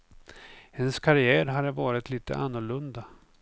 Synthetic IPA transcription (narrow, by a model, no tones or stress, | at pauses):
hɛnskʰaɾɪæːɾɦad̪ːəvɑːɾɪt̪liːt̪ə̰ʔanːʊɭɵnd̪a